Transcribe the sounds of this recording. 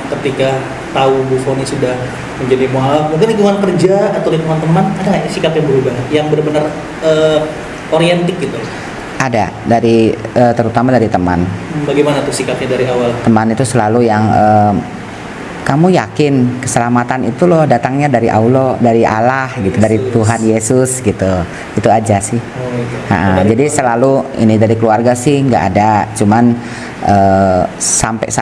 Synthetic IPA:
kət̪ika | t̪aubufonisudah | məɲd͡ʒadimoɦawak̚mukaliŋuŋankərd͡ʒaːt̪awliɡuŋant̪əmanadasikapjaŋbəɾubahjaŋbənbənər | əː | oɾiɛnt̪ɪk̚ɡit̪ulɔ | ʔada̰ | daɾiəːt̪əɾut̪amadaɾit̪əma̰n̩baɡejmanat̪usikap̚ɲadaɾiawalt̪əmanit̪usəlalujaŋəːm | kamujakɪnkəsəlamat̪anit̪ulɔhdat̪aŋɲadaɾiʔa̰ulodaɾiʔa̰lahɡit̪udaɾit̪uɦanjesʊsɡit̪u | it̪uad͡ʒasɪh | a̰ʔad͡ʒadisəlaluḭnidaɾikəluarɡasɪhŋɡa̰ʔa̰dat͡ʃuman | ʔə | sampɛ̰s

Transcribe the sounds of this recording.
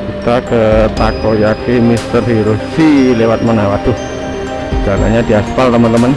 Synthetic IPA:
kut̪akət̪akojakimist̪ərɦiɾusilewat̪̚mənawad̪̥uh | ɡala̰ɲad̪̥iaspalt̪əmənt̪əmən

